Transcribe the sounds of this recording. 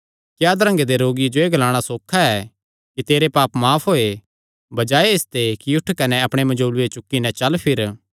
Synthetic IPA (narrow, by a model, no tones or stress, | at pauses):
kjaːd̪ɐɾɐ̃ŋɡed̪eɾoːɡid͡ʒoeːɡɐlaːɽ̃asoːkʰːaɛ | kit̪eːɾepaːpmaːpʰɦoːe | bɐd͡ʒaːeɪst̪ekiʊʈʰkɐnɛɐpɽ̃emɐ̃d͡ʒoːlʊet͡ʃʊkːinɛt͡ʃɐlpʰɪɾ